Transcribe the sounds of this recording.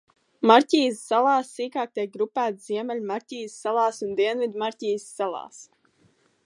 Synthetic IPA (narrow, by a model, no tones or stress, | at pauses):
maɾcʲiːsːalˠɑːsːiːkaːk̚t̪iɛk̚ɡɾupæːt̪ziɛmɛlʲmaɾcʲiːsːalˠaːsund̪iɛnvid̪ʲmaɾʲcʲiːsːalˠɑ̰ːs